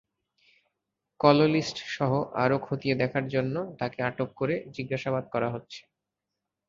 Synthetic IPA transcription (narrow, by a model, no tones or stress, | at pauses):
kɔlolisʈʃɔɦoʔa̰ɾokʰot̪ied̪ɛkʰaɾd͡ʑonːot̪akeaʈokːoɾed͡ʑiɡːaʃabad̪̚kɔɾaɦotːɕʰe̥